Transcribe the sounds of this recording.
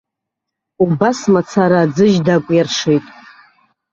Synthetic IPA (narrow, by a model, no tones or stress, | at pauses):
ubasmat͡sʰaɾaːd͡zɨʒdakʷʼjarʂejtʼ